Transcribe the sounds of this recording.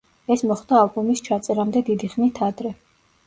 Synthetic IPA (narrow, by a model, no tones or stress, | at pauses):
ɛsmɔχd̪aːlˠbumist͡ʃʰat̪sʼɛɾamd̪ɛd̪id̪iχnit̪ʰad̪ɾɛ